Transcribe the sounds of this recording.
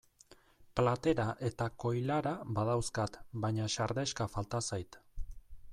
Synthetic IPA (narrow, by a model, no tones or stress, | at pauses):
plat̪e̞ɾaʔe̞t̪ako̞jlaɾabaðawskat̪bajɲaʃaɾðe̞ʃkafalt̪asajt̪